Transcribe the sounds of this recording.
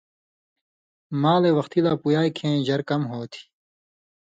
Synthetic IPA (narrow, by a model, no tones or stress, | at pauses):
maːlewɐxt̪ilaːpujaːikʰẽːʑɐɾkɐmɦoːt̪ʰi̥